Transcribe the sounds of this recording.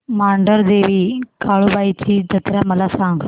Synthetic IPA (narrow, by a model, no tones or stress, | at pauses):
maːɳɖəɾd̪eːʋiːkaːɭubaːit͡ɕʰiːd͡ʑʱət̪ɾaməlasãŋɡ